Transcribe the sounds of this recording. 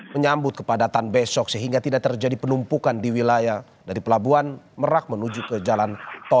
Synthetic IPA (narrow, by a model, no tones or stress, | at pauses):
əɲambʊt̪̚kə̥padat̪anbɛsɔksəɦiŋɡat̪idaʔt̪ərd͡ʒadipənumpukandiwilaja | daɾipəlabuanməɾak̚mənud͡ʒukəd͡ʒalant̪ɔ